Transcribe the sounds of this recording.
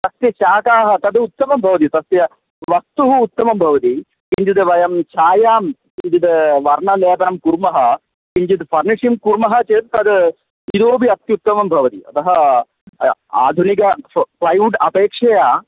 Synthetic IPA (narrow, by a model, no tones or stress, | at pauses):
t̪ɐst̪jɐt͡ʃaːkaːɦɐ̆t̪ɐd̪ut̪ːɐmɐmbʱɐʋɐt̪it̪ɐst̪jɐ | ʋɐst̪uɦuːt̪ːɐmɐmbʱɐʋɐt̪i | piɲd͡ʒid̪ɨʋɐjɐmt͡ʃʰaːjaːmpiɲd͡ʒid̪ʋɐɾɳɐleːpɐnɐmkuɾmɐɦɐ̆ | piɲd͡ʒit̪fʰɐɾniʂimkuɾmɐɦɐt͡ʃeːt̪̚t̪ɐd̪ | id̪oːbiɐt̪ːjɐut̪ːɐmɐmbʱɐʋɐt̪iɐ̰t̪ɐɦɐ | a̰ːd̪ʱunikɐplɐjuʈɐpeːkʂɐjaː